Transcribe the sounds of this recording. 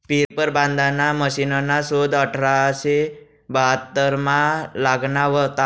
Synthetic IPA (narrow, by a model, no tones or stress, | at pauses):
piɾpəɾbãnd̪ʱanaməʃinonasod̪əʈʰɾaəse | bəɦat̪ːəɾmãlaɡnaʋət̪a